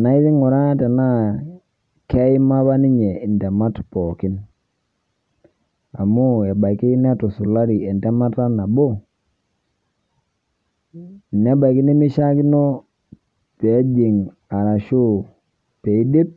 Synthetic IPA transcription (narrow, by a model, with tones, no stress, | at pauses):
na˨i˦ði˦ŋu˨ɾa˦tɛ˨na˦ | kɛ˦i˦ma˦βa˦ni˦ɲɛ˨i˨ndɛ˨ma˦tpɔ˨ki˦n | a˨mu˦ɛ˨ba˨i˨ki˦nɛ˦tɔ˨su˨la˦ɾi˨ɛ˨ndɛ˦ma˦ta˦na˨bo˦˨ | nɛ˦ba˨i˨ki˦ni˦mi˦ʃa˦ki˦no˦ | pe˨˦d͡ʒi˨ŋ | a˨ɾa˨ʃu˦ | pe˨i˦di˦p̚